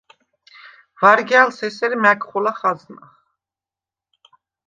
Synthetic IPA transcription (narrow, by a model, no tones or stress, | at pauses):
vaɾɡjalsɛsɛɾimækʰχɔlaχazna̰χ